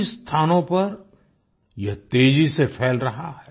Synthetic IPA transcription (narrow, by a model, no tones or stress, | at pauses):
st̪ʰaːnõpɐɾ | jɐɦt̪eːd͡ʒisefʰɛːlɾɐɦahɛː